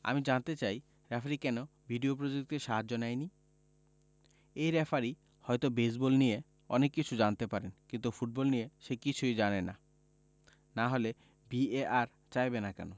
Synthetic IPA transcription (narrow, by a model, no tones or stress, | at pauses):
a̰mid͡ʑant̪et͡ɕaj | ɾɛfʰaɾikɛno | bʱiɖiopɾod͡ʑek̚t̪iɾʃaɦad͡ʑonajni | ejɾɛfaɾi | hɔjt̪obes̬bolnie | ɔ̰nekːit͡ɕʰud͡ʑant̪epaɾenkint̪ufuʈ̚bɔlnieʃekit͡ɕʰujd͡ʑanena̰ | naɦole | bieaɾ | t͡ɕajbenakɛ̰no